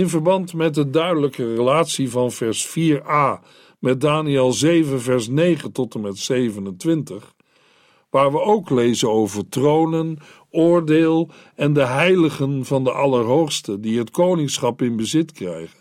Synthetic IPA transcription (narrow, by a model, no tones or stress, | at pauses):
ɪnvəɹbɑntmɛt̚dədœɥdələkərəlaːtsivɑnvɛɹsfiːɹaː | mɛt̚daːniɛlˠzejvənvɛɹsnejχəntɔtəmɛtsejvənəntʋɪntəχ | ʋaːɹʋəowklejzənowvəɹtrownən | ʊːɹdeːlˠ | ɛndəɦɛjləχənvɑndəʔɑləɹɦowχstədiɦətkownɪŋsχɑpɪnbəzɪtkrɛjχən